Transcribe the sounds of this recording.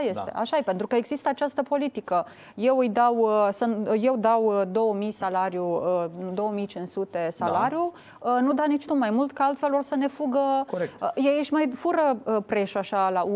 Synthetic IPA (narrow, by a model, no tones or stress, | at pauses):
aje̞st̪e̞̰ʔa̰ʃaepent̪ɾukəeɡzist̪əat͡ʃast̪əpo̞lit̪ikə | je̞wɨjd̪awsənje̞wd̪awd̪o̞wəmijsalaɾjuəd̪o̞wəmijt͡ʃinsut̪e̞salaɾju | ənud̪anit͡ʃt̪umajmult̪kaalt̪fe̞lo̞rsəne̞fuɡəkekjejəʃmajfuɾəpɾe̞ʃuaʃala